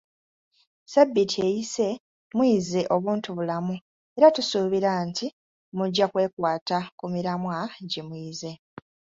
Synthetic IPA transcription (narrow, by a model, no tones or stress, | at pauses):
sabːitʰiejise̞ | mwiːze̞ʔo̞βuːntuβulamu | e̞ɾatusuβiɾaːnti | muɟːakwe̞ːkwaːtakumiɾamwaɟemwiːze̞